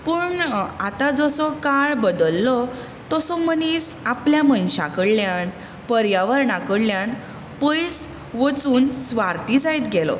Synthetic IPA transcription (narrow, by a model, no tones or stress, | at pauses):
pəːɳat̪ad͡zɔsɔkaɭbəd̪əlːɔ | t̪ɔsɔməniːsapljamənɕa̰kəɽljãn | pəɾjaʋəɾɳakəɽljãn | pəjs | ʋət͡suːnsʋaɾt̪id͡zajt̪ɡʱɛlɔ̰